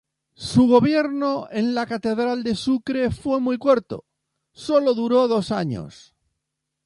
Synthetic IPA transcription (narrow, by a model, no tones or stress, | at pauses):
suɣ̞o̞βje̞ɾno̞e̞nlakat̪e̞ðɾald̪e̞sukɾe̞fwe̞mujkwoɾt̪o̞̰ | so̞lo̞ðuɾo̞ðo̞saɲo̰s